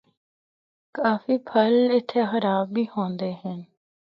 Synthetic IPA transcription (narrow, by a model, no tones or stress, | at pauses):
kaːfiːpʰəlɪt̪ʰːeːxəɾaːbiːhõːnd̪eːɦə̃n